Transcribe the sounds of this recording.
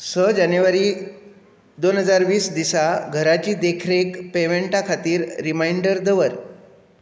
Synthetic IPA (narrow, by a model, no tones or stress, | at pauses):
səd͡ʑanjuʋaɾiː | d̪onɦəd͡zaɾʋiːsd̪isaɡʱəɾat͡ɕiːd̪ekʰɾekpeʋeɳʈakʰat̪iːɾːimaiɳɖəɾd̪əʋəɾ